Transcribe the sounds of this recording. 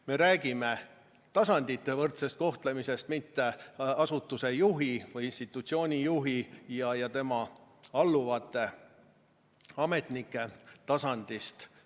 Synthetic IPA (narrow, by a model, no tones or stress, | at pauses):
me̞ɾæːɡime̞ | t̪ɑsɑnd̪̥it̪ːe̞vɤrt̪se̞st̪̚ko̞ht̪le̞mise̞st̪mit̪ːe̞ɑsut̪ːuse̞juɦivɯjinst̪it̪ːˑut̪sio̞ːnʲijuɦijɑjɑt̪e̞mɑɑlːuvɑt̪ːˑe̞ | ɑme̞t̪nikˑːe̞t̪ɑsɑnd̪̥ist̪